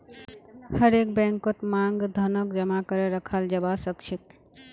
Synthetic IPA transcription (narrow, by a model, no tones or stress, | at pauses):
həɾekbɛ̃ŋkot̪maŋɡd̪ʱənək̚d͡ʒəmakəɾeɾəkʰald͡ʒəbasəkt͡ʃʰit̪̚